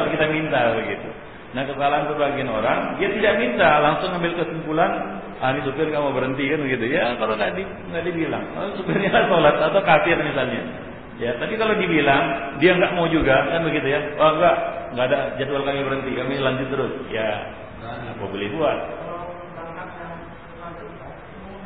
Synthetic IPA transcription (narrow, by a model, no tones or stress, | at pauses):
lkit̪amint̪abəɡit̪u | nahkəsalaansəbaɡianoɾaŋdiat̪idaʔmint̪alaŋsʊŋambɪlkəsumpulan | anisupɪrŋɡaʔmaubəɾənt̪ikanbəɡit̪ujakaloŋɡaʔdi | ŋɡaʔdibila̰ŋka̰losubərɲalasolat̪̚at̪awkafɪrmisalɲa | jat̪apikalodibilaŋdiaŋɡaʔmaud͡ʒuɡakanbəɡit̪ujaaaŋɡaʔŋɡaːdad͡ʒat̪ualkamibəɾənt̪ikamilaɲd͡ʒʊt̪̚ːəɾʊsja | a̰pabolɛhbuat̪̚ | aŋkaa | a